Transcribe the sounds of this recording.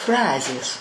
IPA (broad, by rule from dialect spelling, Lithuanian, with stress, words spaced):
ˈfrɑːzʲeːs